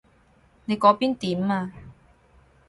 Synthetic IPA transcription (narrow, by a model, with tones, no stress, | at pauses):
ne˨˧jkɔː˨˧piː˥nt̪iː˨˥maː˧